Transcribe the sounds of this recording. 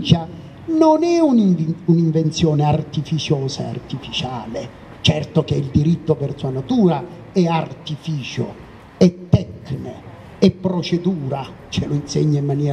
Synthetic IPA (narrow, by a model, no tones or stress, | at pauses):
t͡ʃa | nonɛunnuniɱvent̪sjɔːneart̪ifit͡ʃɔːsaḛa̰rt̪ifit͡ʃaːle | t͡ʃɛrt̪ok̟eild̪iɾit̪ːopɛrt̪suanat̪uːɾa | ɛart̪ifiːt͡ʃʊ̰ | ɛt̪ːɛkne | ɛpːɾɔt͡ʃed̪uːɾa | t͡ʃeloinseɲːaimːanjɛː